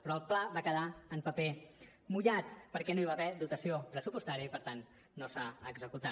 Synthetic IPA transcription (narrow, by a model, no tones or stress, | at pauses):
pɾɔlˠplaβakəðaəmpəpe | muʎat̪pəɾkɛnoiβaβɛd̪ut̪əsiopɾəsupust̪aɾiəipəɾt̪anː | osaəɡzəkut̪a